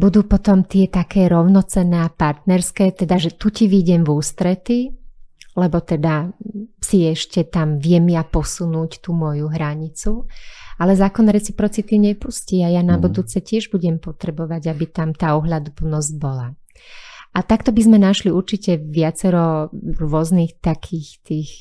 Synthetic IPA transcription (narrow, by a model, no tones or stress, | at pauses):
bud̪uːpɔt̪ɔmt̪ɪɛt̪akɛːɾɔʊnɔt͡sɛnɛːapaɾt̪nɛɾskɛːt̪ɛd̪aʒɛt̪uciʋiɟɛmvuːst̪ɾɛt̪i | lɛbɔt̪ɛd̪asiɛʃcɛt̪amʋɪɛmjapɔsunuːct̪uːmɔjuɦɾaɲit͡sualɛzaːkɔnːɛɾɛt͡sipɾɔt͡sit̪iɲɛpusciajanabud̪uːt͡sɛcɪɛʒbuɟɛmpɔt̪ɾɛbɔʋaɟabit̪amt̪aːɔɦʎad̪upl̩nɔzɟ̚bɔla | ʔat̪akt̪ɔbizmɛnaʃliuɾt͡ʃicɛʋɪat͡sɛɾɔɾʊɔzniːxt̪akʰiːxt̪iːx